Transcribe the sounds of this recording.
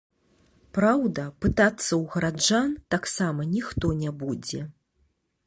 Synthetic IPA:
pɾawd̪ɐpɨt̪at̪sːɐwɣɐɾad͡ʐant̪aksamɐnʲixt̪ɔnʲabud͡zʲɛ

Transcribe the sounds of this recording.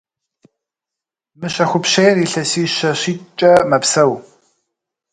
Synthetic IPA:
mɨɕɐxʷʊpɕejriːɬɐsiːɕɐɕiːt͡ʃʼɐmɐpsɐw

